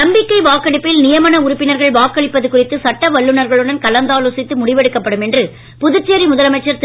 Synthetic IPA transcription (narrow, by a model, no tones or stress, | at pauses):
nɐmbɪkːɐɪʋaːkːɐɽɪpːɪlnɪjɐmɐnɐʊrʊpːɪnɐɾɣɐɭʋaːkːɐɽɪpːɐðɯkːʊrɪt̪ːɯsɐʈːɐʋɐɭːɯnɐɾɣɐɭɯɽɐnkɐlɐnd̪aːlosɪt̪ːɯmʊɽɪʋɛɽɯkːɐpːɐɽɯmɛndrɯ | pʊðɯt͡ʃːɪjɐɾimʊðɐlɐmɐɪt͡ʃːɐɾt̪